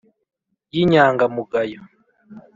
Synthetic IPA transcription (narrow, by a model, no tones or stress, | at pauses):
jiɲaːŋɡamuɡajo